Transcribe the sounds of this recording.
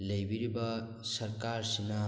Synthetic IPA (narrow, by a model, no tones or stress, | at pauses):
lɐjbiɾibɐ | sɐɾkaɾsinɐ